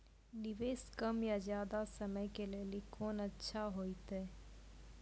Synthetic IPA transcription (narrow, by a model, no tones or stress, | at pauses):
nɪʋeːskɐmjazjaːd̪asɐməjkeleːlikʰoːnɐtːʃʰaɦoːit̪eː